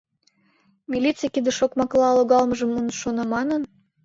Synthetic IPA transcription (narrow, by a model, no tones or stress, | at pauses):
mʲilʲit͡sɨjkid̪ə̆ʃokmɑklɑloɣɑlməʒə̆mːunʃonɑmɑnən